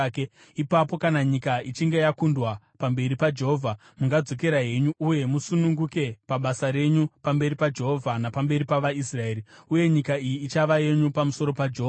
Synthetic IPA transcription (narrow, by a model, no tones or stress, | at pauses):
ke | ipapo̞kanaɲikait͡ʃiŋɡe̞jakundwa | pambe̞ɾipad͡ʒe̞ɦoːvʱa | muŋɡad͡zo̞ke̞ɾaɦe̞ɲuuje̞musunuŋɡuke̞paɓasaɾe̞ɲupambe̞ɾipad͡ʒe̞ɦo̞vʱanapambe̞ɾipaʋaisrae̞ːɾiuje̞ɲikaijiːt͡ʃaʋaje̞ɲupamuso̞ɾo̞pad͡ʒeɦoː